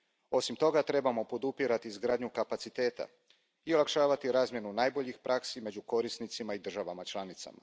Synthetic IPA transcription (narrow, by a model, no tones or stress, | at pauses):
o̞simt̪o̞ɡat̪ɾe̞bamo̞po̞d̪upiɾat̪iːzɡɾaːd̪ɲukapat̪sit̪e̞ːt̪a̰ | iolakʃaːʋat̪iɾaːzmje̞nunaːjbo̞ʎixpɾʔaksime̞d͡ʑuko̞ɾisnit̪simaid̪r̩ʒaʋamat͡ʃlˠanit̪sa̰ma̰